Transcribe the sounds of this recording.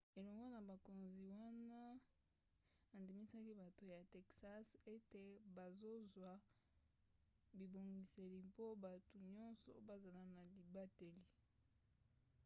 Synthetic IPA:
e˨lɔ˨ŋɡo˦na˨ba˨ko˨nzi˨wa˦na˦ | a˨ndi˨mi˦sa˦ki˦ba˨to˨ja˨tɛ˨ksa˦se˦te˨ba˨zo˦zwa˨ | bi˨bo˨ŋɡi˨se˨li˨mpo˦ba˨to˨ɲɔ˦nsɔ̰˨ba˦za˨la˨na˨li˨ba˦te˨li˨

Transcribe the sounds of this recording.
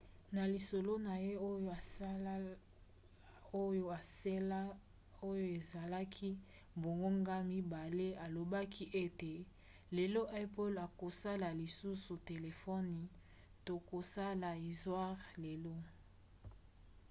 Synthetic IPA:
na˨li˨so˨lo˦na˨je˦o˦˨ | o˦jo˦a˨se˦la˦ | o˦jo˦e˨za˨la˦kʰi˦ | bo˨ŋɡo˦ŋɡa˦mi˦ba˨le˦a˨lo˨ba˦kʰi˦ʔe˦te˨ | le˨lo˦ʔɛ˦pɔ˦la˨ko˨sa˦la˨li˨su˦su˨te˨le˨fɔ˦ni˨ | to˨ko˨sa˦la˨i˨zwa˦ʁle˨lo˦

